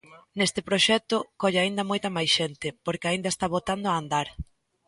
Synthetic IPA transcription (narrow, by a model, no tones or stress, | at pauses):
nest̪ɪpɾoʃɛt̪ʊkɔʎɪaind̪amojt̪ɐmajsʃent̪ɪpoɾkeaind̪ɐest̪aβot̪and̪ʊaːnd̪aɾ